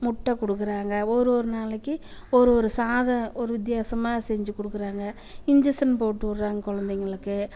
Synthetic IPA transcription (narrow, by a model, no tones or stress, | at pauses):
mʊʈːɐkɔɽɯk̬ːɯɾaːŋɡɐɔɾɯɔɾɯnaːlɐkːɯɔɾɯɔɾɯsaːðɐɔɾɯʋɪt̪̬jaːsɐmaːsɛɲd͡ʒɯkɔɽɯkːɯɾaːŋɡɐ | ɪɲd͡ʒɐsɐnpoːʈːɯʋɐɾːaːŋɡɐkɔɭɐnd̪ɛŋɡɐɭɯkːɯ